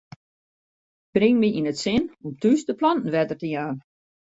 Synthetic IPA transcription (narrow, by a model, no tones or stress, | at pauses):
b̥rɪŋmiinətsɪnomtystəplɑntn̩ʋɛdərtəjaːn